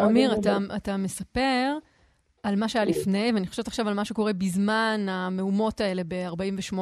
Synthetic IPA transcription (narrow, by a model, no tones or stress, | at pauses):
omiʁataatame̞sape̞ʁ | almaʃeajalifnejveaniχoʃevt̪aχʃavalmaʃe̞ko̞ʁe̞bizmaname̞umo̞tae̞le̞be̞aʁbaimveʃmo